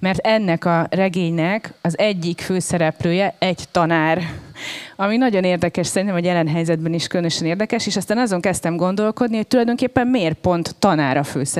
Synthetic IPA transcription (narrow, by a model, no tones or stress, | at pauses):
mɛrt̪ɛnːɛkɒrɛɡeːɲnɛkɒzɛɟːikføːsɛɾɛpløːjɛɛɟt̪ɒnaːr | ɒminɒɟo̞neːrd̪ɛkɛʃsɛɾint̪ɛmɒjɛlɛnɦɛjzɛd̪̚bɛniʃkøønøʃɛneːrd̪ɛkɛʃeːʃɒst̪aːnɒzo̞ŋkɛst̪ɛmɡo̞nd̪o̞lko̞d̪niho̞c̚t̪ulɒjd̪o̞ŋkeːpːɛmmeːrpo̞nt̪ːɒnaːɾɒfø̰ːsɛ